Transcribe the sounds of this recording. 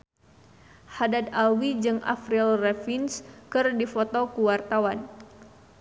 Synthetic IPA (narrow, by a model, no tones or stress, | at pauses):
hadad̪̚awid͡ʒɨŋʔa̰fɾilrɛfinskɨrdifot̪okuwart̪awan